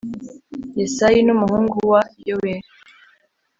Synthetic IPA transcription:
jesajinumuhuːŋɡuwajoweɾi

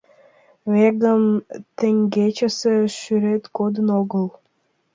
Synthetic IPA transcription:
βeɡəmt̪ĕŋɡet͡ɕə̆seʃyɾet̪kod̪ənoɣəl

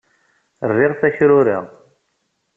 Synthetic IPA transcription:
rːɪʁθæçɾʊɾḭʁ

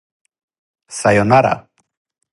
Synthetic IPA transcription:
sajonaɾa̰

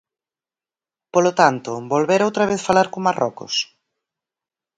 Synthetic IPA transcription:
polot̪ant̪ʊbolβeɾowt̪ɾɐβeθfalaɾkoŋmarɔ̰kʊ̰s

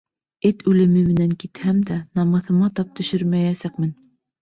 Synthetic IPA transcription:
ɘt̪ʉlɘ̆mɘmɘ̆næŋkit̪hæmd̪ænɑmɑθɤ̆mɑt̪ɑp̚t̪ɵ̆ʃɵɾmæjæsæqmɘn

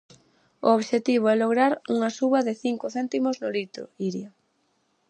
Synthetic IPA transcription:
ʊ̰oβʃet̪iβ̞oɛloɣɾaɾuŋasuβaðɪθiŋkʊθɛnt̪imoznʊlit̪ɾʊ̰iɾja

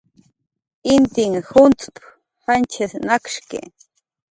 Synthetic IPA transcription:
int̪iŋhunt͡sʼp | hant͡ʃʰesnakʃkḛ

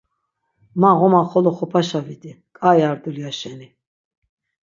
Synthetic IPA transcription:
maʁɔmaχɔlɔχɔpʰaʃavid̪i | kʼajaɾd̪uliaʃɛni

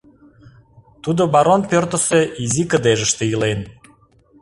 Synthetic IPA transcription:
t̪ud̪obɑɾonpørt̪ə̆seʔizikə̆d̪eʒə̆ʃt̪ĕjəlen

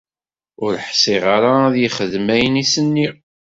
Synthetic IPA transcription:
ʊɾħsiʁaɾaðjiχəðmæjənisənːi

